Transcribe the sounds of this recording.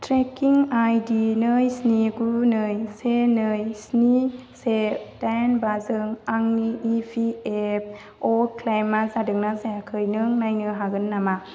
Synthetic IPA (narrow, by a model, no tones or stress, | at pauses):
tɾekiŋajdinɯjsniɡuɾunɯjsenɯjsnised̥ajnbazɯŋaŋniːpʰiep̚ | ɔklajmazadɯŋnazajakʰɯjnɯŋnajnɯɦaɡɯnːama